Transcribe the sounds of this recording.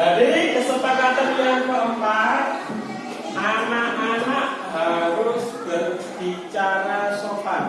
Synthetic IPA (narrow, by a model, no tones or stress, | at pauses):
d̥adikəsupakat̪ənjaŋkəəmpat̚ | ʔanaʔanaʔ | ɦaɾʊsb̥ərb̥it͡ʃaɾasopa